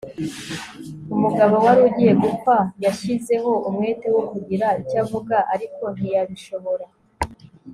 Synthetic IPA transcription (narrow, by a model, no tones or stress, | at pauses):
umuɡaβowaɾuɟije̞ɡukajaʃize̞ɦo̞umŋe̞ːtewokuɟiɾaicavuɡaʔaɾiko̞n̥ijaβiʃo̞βo̞ɾa